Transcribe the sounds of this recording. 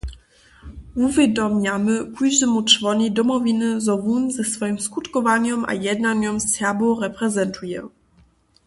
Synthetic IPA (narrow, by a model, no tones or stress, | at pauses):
uvʲjɛd̪ɔmɲamɘkujʒɛmutrvɔɲid̪ɔmɔvʲinɘzɔvunzɛsfɔjimskut̪kɔvaɲɔma̰jɛd̪naɲɔmsjabɔɾɛpɾɛzɛnt̪ʰujɛ̰